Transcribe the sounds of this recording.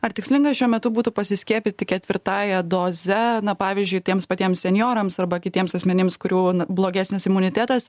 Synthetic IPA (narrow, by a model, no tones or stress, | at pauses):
ɐrt̪ʲɪksʲlʲɪŋɡɐsʃʲuɔmʲɛt̪ʊbuːt̪ʊpɐsʲɪsʲkʲiɛːpʲit̪ʲɪkʲɛt̪ʲʋʲɪɾt̪ɑːjɛd̪oːzʲɛnɐpɑːʋʲɪzʲd͡ʒʲʊɪt̪ʲiɛmspɐt̪ʲiɛmssʲɛnʲjoːɾɐmsɐrbɐkʲɪt̪ʲiɛmsɐsʲmʲɛnʲɪmskʊɾʲuːnblˠoːɡʲæsʲnʲɪsɪmʊnʲɪt̪ʲæːt̪ɐs